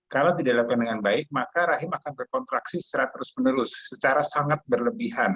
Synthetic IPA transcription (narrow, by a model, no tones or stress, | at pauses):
kalawd̪idalakandəŋanbaɪk̚makaɾaɦɪmakanbərkɔnt̪ɾaksisə̥t͡ʃəɾat̪ːəɾʊsmənəɾʊsːət͡ʃaɾasaŋat̪̚bərləbiɦan